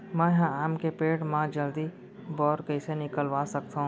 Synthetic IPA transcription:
mɛ̃ɦãaːmkepeːʈmãd͡ʒəld̪i | bɔːɾkəɪsenɪkəlʋasək̚t̪aɦũ

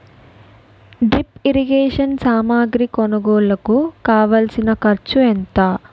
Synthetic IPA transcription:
ɖɾipiɾiɡeːʂɐnsaːmaːɡɾikɔnɐɡoːlɐkukaːʋɐlsinɐkɐɾt͡ʃuent̪aː

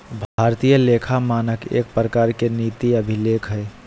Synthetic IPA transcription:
bʱaɾt̪ijəlekʰamaːnəkḛːk̚pɾəkaːɾkenit̪iəbʱilekɦəe

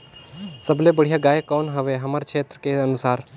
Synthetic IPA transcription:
səblebəɽ̤ijaɡaːjekɔːnɦəʋeɦəmaɾt͡ʃʰeːt̪ɾəkeənusaːɾ

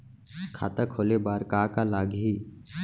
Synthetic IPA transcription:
kʰa̰ːt̪akʰoːlebaːɾkaːkalaːɡɦi

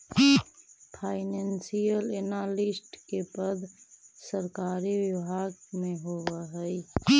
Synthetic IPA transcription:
pʰaɪnensijəlenalisʈkepəd̪ʱsəɾkaɾiʋibʱaɡmeɦoʋəɦəɪ

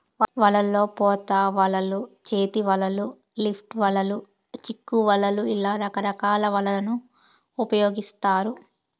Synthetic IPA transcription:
ʋɐlɐlːo̞ːpɔːt̪aːʋɐlɐlut͡ʃeːt̪iʋɐlɐlu | lipʰʈʋɐlɐlu | t͡ʃikːuʋɐlɐluilaːɾɐkɐɾɐkaːlɐʋɐlɐlɐnuː | pɐjoːɡist̪aːɾu

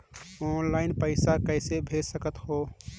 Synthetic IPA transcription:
onlaɪnpəɪsakəɪsebʱesəkət̪ho

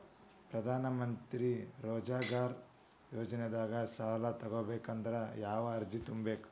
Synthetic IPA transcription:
pɾɐd̪ʱaːnɐmɐnt̪ɾiɾoːd͡ʒaːɡaːɾ | joːd͡ʒɐned̪aːɡɐʃaːlɐt̪ɐɡoːbeːkɐnd̪ɐɾɐjaːʋɐːɾd͡ʒit̪umbeːk

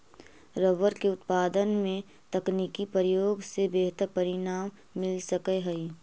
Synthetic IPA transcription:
ɾəʋəɾkeʊt̪paːd̪ənmẽ | t̪ɐkniːkipəɾəjoːɡsebeːɦt̪əɾpɐɾɪnaːmː | ɪlsɐkəɦɐi

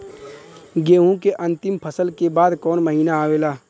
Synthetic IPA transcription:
ɡeːɦũkeʔɐ̃nt̪ɪmpʰəsəlkebaːd̪kɔːnmɐɦiːnaaːʋeːlaː

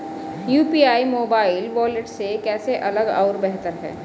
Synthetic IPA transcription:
juːpiːaːimoːbaːɪlʋɔːleʈsekɛːseʔɐləɡa̰ʊɾbɛɦt̪əɾɦɛ̰ː

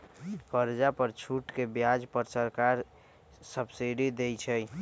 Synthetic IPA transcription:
kəɾd͡ʒapəɾt͡ʃʰuʈkebjad͡ʒpəɾsəɾkaɾ | səbsiɖid̪ejt͡ʃʰɛ

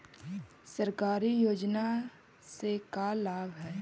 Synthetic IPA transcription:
səɾkaːɾijoːd͡ʒna | sekalaːɡɦɛː

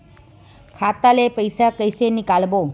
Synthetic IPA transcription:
kʰat̪alepəjsakəjsenikalbo

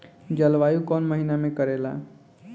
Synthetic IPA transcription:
d͡ʒəlʋajukɔnməɦinamẽkəɾela̰

